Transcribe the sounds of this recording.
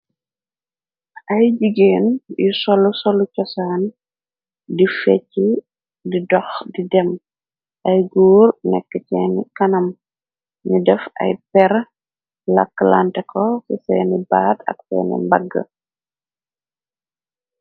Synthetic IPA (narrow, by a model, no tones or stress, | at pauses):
ʔɐjd͡ʒiɡeːnjusɔlːusɔlːucɔsaːn | difɛcːi | didɔxdidɛm | ʔɐjɡuːrnɛ̰kːəcɛːnkɐnɐm | ɲudɛfɐ̰jpɛɾ | lɐ̰kːla̰ntɛkʰɔsisɛːnibaːtʰɐ̰ksɛ̰ːnḭmbɐɡːə̰